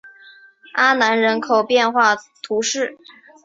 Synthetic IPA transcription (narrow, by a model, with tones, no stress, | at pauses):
a˥na˧˥nɻə˧˥nkʰo˨˩ʊpjɛ˥˧nxwa˥˩t̪ʰu˧˥ʂɻ̩˥˩